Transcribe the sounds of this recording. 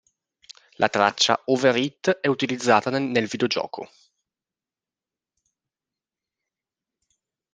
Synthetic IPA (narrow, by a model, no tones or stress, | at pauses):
lʔat̪ɾa̰t͡ʃːa̰overit̪ːɛut̪ilid̪zːaːt̪anelvid̪eod͡ʒɔ̰ːkʰo̰